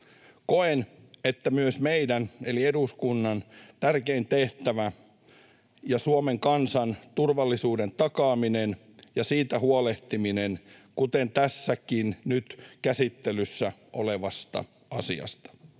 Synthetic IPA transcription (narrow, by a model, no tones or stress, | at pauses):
koenet̪ːæmyøsmeidænelieduskunːɑnt̪ærkeint̪eht̪æʋæ | jɑsuomeŋkɑnsɑnt̪urʋɑlːisuːdent̪ɑkɑːminen | jɑsiːt̪æhuoleht̪iminenkut̪ent̪æsːækinnyt̪kæsit̪ːelysːæʔoleʋɑst̪ɑ̰ | ɑ̰sḭɑ̰st̪ɑ̥